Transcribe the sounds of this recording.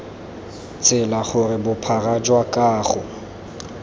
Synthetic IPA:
t͡sʼɪlaχʊrɪbʊpʰarad͡ʒwakʼaːχʊ

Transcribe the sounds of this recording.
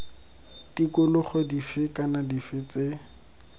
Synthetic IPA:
tikʊlʊχedifɪkanadifɪt͡se

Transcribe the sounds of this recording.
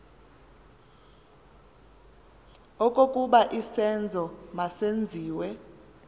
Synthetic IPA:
ɔkʼokʼuɓaʔisɛnd͡zʱɔmasend͡zʱiːwɛ

